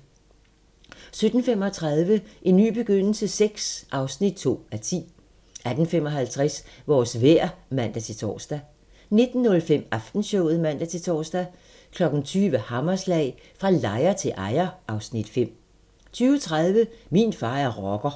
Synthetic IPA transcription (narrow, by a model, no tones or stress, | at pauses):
sød̥n̩fem̰ɒ̽t͡sʰʁɑðˠʋəʔe̝nːy̰ːb̥e̝ɡ̥øn̰l̩səseɡ̥sʔɑ̈ʊsnid̥̚t͡sʰo̝̰ːæt͡sʰḭː | ʔæd̥n̩femɒ̽ɦælt͡sʰʁɛsʋɒːsʋeɐ̰mæn̰d̥æt͡sʰe̝t͡sʰɒ̰ːsd̥æ | ne̝d̥n̩ːɔ̽lfem̰ɑfd̥n̩ɕɔʊð̩ˠmæn̰d̥æt͡sʰe̝t͡sʰɒ̰ːsd̥æ | kʰlɒ̽ɡ̥n̩t͡sʰyːʋəhɑ̈mɐslɛɪ | fʁɑ̈lɑ̈ɪɐt͡sʰe̝lʔɑ̈ɪɐʔɑ̈ʊsnid̥fem̰ | t͡sʰyːʊət͡sʰʁaðˠʋəminfɑ̈ːæɐʁɒɡ̥ɐ